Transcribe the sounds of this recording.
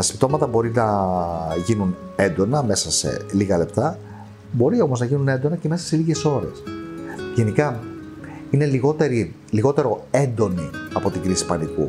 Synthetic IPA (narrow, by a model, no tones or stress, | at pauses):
t̪ɐsi̥pt̪o̞mɐt̪ɐbo̞ɾinɐ | ʝinun | e̞nd̪o̞nɐme̞sɐse̞̰liɣɐle̞p̚t̪ɐ | bo̞ɾio̞mo̞znɐʝinune̞nd̪o̞nɐce̞me̞sɐ̥se̞liʝe̞so̞ɾe̞̰sʝe̞nikɐ | ine̞liɣo̞t̪eɾi | liɣo̞t̪e̞ɾo̞e̞nd̪o̞niɐpo̞t̪iŋɡɾisi̥pɐniku